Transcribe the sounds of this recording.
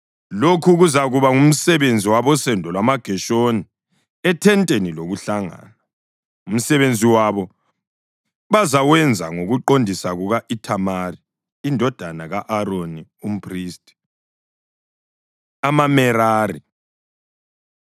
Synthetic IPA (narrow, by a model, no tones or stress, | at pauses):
lokʰuɣuzaɣuβaum̩sɛβend͡zʱiwaβɔsɛndʱɔlwamaɡ̥ʱɛʃoni | ɛtʰɛntʼeniloɣuɬaŋa̰ːna | um̩sɛβend͡zʱiwaβɔ | βazawɛnd͡zʱa̰ŋoɣuǃondʱisaɣuɣaʔitʰamariː | ndʱɔd̥ʱanaɣaʔaɾonium̩pʰʼriːstʼi̥ | amamɛɾaːri